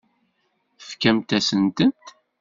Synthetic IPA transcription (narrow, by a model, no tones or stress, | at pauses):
fkæmt̪æsənt̪ənt̪